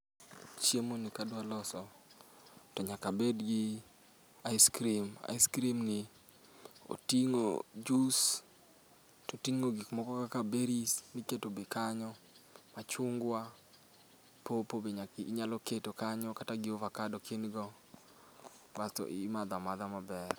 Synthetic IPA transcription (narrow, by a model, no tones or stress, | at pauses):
t͡ʃjemonikadwalɔsɔ | tɔɲakabedɡɪ | aiskɾima̰iskɾimnɪ | o̰tiŋo̰d͡ʒus | totiŋːoɡikmɔkɔkakabeɾisniketobekaɲɔ | mat͡ʃʊŋɡwa | popobeɲakiiɲalɔketokaɲɔkataɡɪovakadɔkʰenɡɔ | batɔ̰ʔimad̪amad̪amabɛr